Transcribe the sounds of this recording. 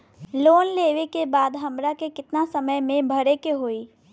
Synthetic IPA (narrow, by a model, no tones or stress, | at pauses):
loːnleːʋekebaːd̪ɦɐmɾakekɪt̪nasɐməjmẽbʱɐɾekeɦoːiː